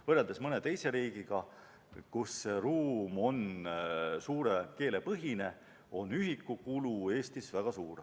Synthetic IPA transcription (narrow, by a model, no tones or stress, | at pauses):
vɤreld̪esmɤne̞t̪e̞jse̞ɾiːɡ̥iɡ̥ɑ | kusːeruːmo̞n | suːɾeke̞ːle̞pɤɦine̞ | o̞nyɦikːˑukulue̞ːst̪isvæɡ̥ɑsuːr